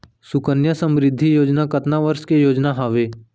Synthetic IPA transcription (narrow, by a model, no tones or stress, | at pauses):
sʊkənjasə̃mɾɪd̪ʱːijoːd͡ʒnakɐt̪naʋəɾʃkejoːd͡ʒnaɦaːʋeː